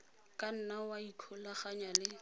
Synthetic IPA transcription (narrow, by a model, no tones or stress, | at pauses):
kʼan̩nawaikʰɔlaχaɲalɪ